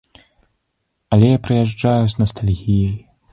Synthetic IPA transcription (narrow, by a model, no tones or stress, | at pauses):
ɐlʲɛjapɾɨjaʐd͡ʐajusnɐst̪alʲɣʲijɐj